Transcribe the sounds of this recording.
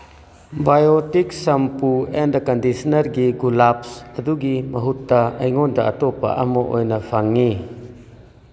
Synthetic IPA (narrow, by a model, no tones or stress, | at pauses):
bajotiksɐmpuendɐkɐndisnɐɾɡiɡulapsɐduɡimɐɦutːɐɐjŋɔndɐɐtɔpa̰ʔɐmɔʔo̰jnɐpʰaŋːi